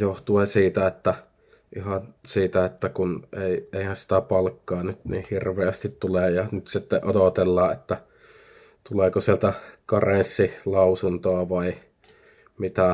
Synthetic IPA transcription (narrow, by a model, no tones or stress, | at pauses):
joht̪uesiːt̪æet̪ːæ | ʔihɑnsiːt̪æet̪ːækuneˑieˑihænsi̥t̪æpɑlkːɑːnyt̪nḭhirʋeæst̪it̪t̪uleˑjɑnyt̪sit̪ːeʔodot̪elːɑːʔet̪ːæ | t̪uleˑkosielt̪ækɑresːilɑusunt̪oɑʋɑi | mit̪æ